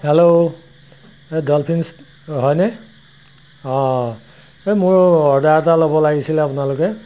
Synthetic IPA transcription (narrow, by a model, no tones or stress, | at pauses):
helo | edɔlpʰins | ɦɔjne | ɔ̃ | emʊɹɔɹdatalɔbɔlaɡisʰileapunaluke